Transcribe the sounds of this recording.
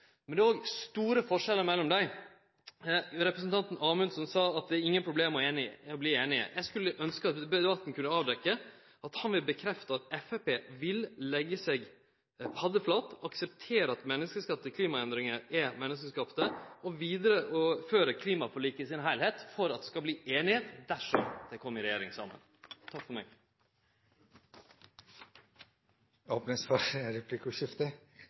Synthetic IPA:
mɛnɛoːɡst̪uːɾəfɔʂɛlːəɾmɛlːɔmd̪æɪ | ɾɛpɾɛs̬n̩t̪ɑnt̪n̩ɑːmʉnsɔnsɑːɑt̪̚d̪ɛæɾɪŋːənpʰɾʊbleːmɔeːnɪɔbliːeːnɪə̰jʔæɪskʉlːəʔœnskəɑt̪ɛbɛɛbɑt̪ːn̩kʰʉnːəɑːʋd̪ɛkːə | ɑt̪hɑnʋɪlbəkʰɾɛft̪ɑɑt̪ɛfæpeːʋɪllɛɡːəsɛɡ | pʰɑd̪əflɑt̪ːɑksɛp̚t̪ʰeːɾəɑt̪mɛnːəskəskɑt̪ːəkʰliːmɑɛnd̪ɾɪŋəɛmɛnːəskəskɑpt̪əɔʋiːd̪əɾəʔɔføːɾəkʰliːmɑfʰʊliːkəɪsɪnɦæɪlheːt̪fɔɾɑt̪̚d̪ɛskɑbliːʔeːnɪheːt̪d̪æʂɔmd̪̥ɛkʰɔmːɪɾɛjeːɾɪŋsɑ̰mə̰n | t̪ʰɑkfɔmɛɡ | oːpnəsfɔɾɾɛpʰlikʊʃɪft̪ə

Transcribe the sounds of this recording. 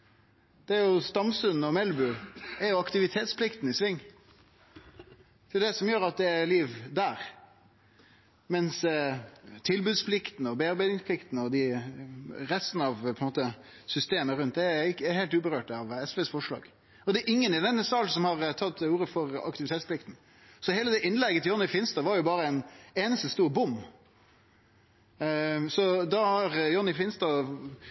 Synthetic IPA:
d̪̥ɛæɾjʊst̪ɑmsʉnɔmɛlbʉæɾjʊɑkt̪ɪʋɪt̪ʰeːt̪spʰlɪkt̪n̩ɪsʋɪŋː | d̪̥ɛd̪ɛsɔmjøːɾɑt̪̚d̪ɛæɾliːʋd̪æːɾ | mɛns | t̪ʰɪlbʉːd̪spʰlɪkt̪n̩ɔbeːɑɾbæɪd̪nɪŋsplɪkt̪nəɔd̪ɪ | ɾɛst̪n̩ɑʋpʰɔnmoːt̪ə | sʏst̪eːməɾʉnt̪̚d̪ɛæɪkːheːlt̪ʉːbəɾøːʈɑʋɛsʋesfɔʂlɑ̰ːɡ̥ | ɔd̪ɛɾʔɪŋːənɪd̪ɛnːəsɑlsɔmhɑɾt̪ʰɑt̪ːuːɾəfɔɾɑ̰kt̪ɪʋɪt̪ʰeːt̪splɪkt̪n̩ | sɔheːləd̪ɛʔɪnlɛɡːət̪ʰɪjɔnɪfɪnst̪ɑʋɑɾjʊbɑːɾəɛneːnəst̪əst̪uːɾbʊmː | sɔd̪ɑhɑɾjɔnːɪfɪnst̪ɑ

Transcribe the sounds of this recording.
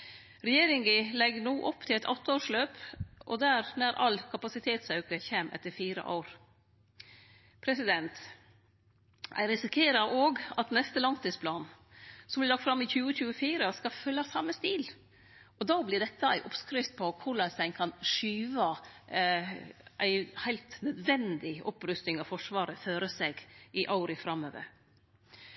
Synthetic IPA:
ɾɛjeːɾɪŋɡɪlɛɡnuːʔɔpːt̪ʰɪlɛt̪ʰɔt̪ːəoːʂløːpʔɔ̰d̪æɾnæɾʔɑ̰lkʰɑpɑsɪt̪ʰeːt̪sɑʉkəçeːmʔɛ̰t̪ːəɾfiːɾə̰ʔa̰ʊɾ | pʰɾɛsɪd̪ɛnt̪ | æ̰ɪɾɪsɪkʰeːɾɑʔoːɡɑt̪nɛst̪əlɑŋt̪iːspʰlɑːn | sɔmblɪlɑk̚t̪fɾɑmːɪçʉːəçʉːəfiːɾəskɑfœlːɑsɑmːəst̪iːl | ɔd̪ɑːblɪɖ̪ɛt̪ːəæ̰ɪʔɔpskɾɪft̪̚pʰɔkʰʊɭɑsæɪnkʰɑnʂyːʋɑ | ʔæɪhæɪlt̪nœd̪ʋɛnd̪ɪʔɔpɾʉst̪ɪŋɑʋfɔʂʋɑːɾəføːɾəseːɡɪʔɑʊɾɪfɾɑmøːʋə̰ɾ

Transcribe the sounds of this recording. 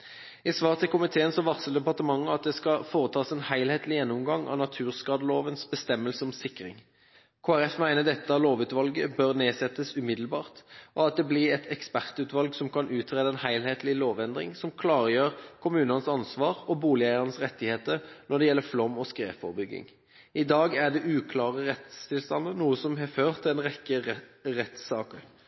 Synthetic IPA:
ɪsʋɑːʁt̪ʰɪlkʊmɪt̪ʰeːənsɔʋɑʁsld̪ɛpɑʁt̪əmɑŋːəɑt̪̚d̪ɛskɑfoːʁət̪ʰɑːsɛnhæɪlheːt̪lɪjɛnːʊmɡɑŋɑ̰nɑt̪ʰʉːʁskɑːd̪əloːʋənsbəst̪ɛmːəlsəɔmsɪkʁɪ̰ŋ | kʰoːæɾɛfmæɪnəd̪ɛt̪ːəɑloːʋʉːt̪ʋɑlɡəbøʁneːsɛt̪ːəsʉmɪd̪l̩bɑːʁt̪ʔɔɑt̪̚d̪ɛblɪʁɛt̪ʰɛkspæʁt̪ʉːt̪ʋɑlɡsɔmkʰɑnʔʉːt̪ʰɾeːd̪əɛnhæɪlheːt̪lɪloːʋɛnd̪ʁɪ̰ŋsɔmkʰlɑːɾəjøːʁkʰʊmʉːnɑnəsɑnsʋɑːʁɔbuːlɪæɪəʁnəsʁɛt̪ːɪheːt̪ənɔɖ̪ɛjɛlːəflɔmɔskʁeːfɔ̰ʁbʏɡːɪ̰ŋ | ɪd̪ɑːɡæd̪ɛʔʉːkʰlɑːʁəʁɛt̪st̪ʰɪlst̪ɑnd̪ənuːəsɔmɦɛføːʁt̪ʰːɪlɛːnʁɛkːəʁɛt̪ssɑːkəɾ

